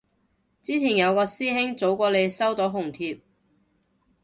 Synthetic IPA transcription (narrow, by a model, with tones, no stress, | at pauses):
t͡siː˥t͡sʰiː˨˩njɐ˨˧wkɔː˧siː˥ɦɪ˥ŋt͡so˨˥wkɔː˧le˨˧jsɐ˥wt̪o˨˥wɦʊ˨˩ŋt̪ʰiː˧p̚